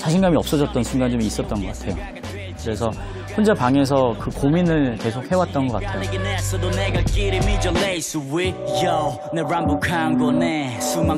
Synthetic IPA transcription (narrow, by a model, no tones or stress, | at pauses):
t͡ɕaɕʰiŋɡamiʌp̚s͈ʌd͡ʑʌt̚t͈ʌnsʰuŋɡand͡ʑomiis͈ʌt͈̚ʌnɡʌk͈ḁtʰe̞jo | kɯɾe̞sʰʌ | hond͡ʑapaŋe̞s̬ʰʌkɯkominɯɭke̞sʰok̚he̞wat̚t͈ʌnɡʌk͈atʰejoeɡenɛsodonɛɡakiɾimid͡ʒəlejsuwɪjow | nɛɹambokʰamɡɔnɛsuma